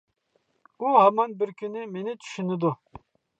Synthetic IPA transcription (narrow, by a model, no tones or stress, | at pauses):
uhamɑnbiɾkʰʲynimenit̪ʰy̥ʃynid̪u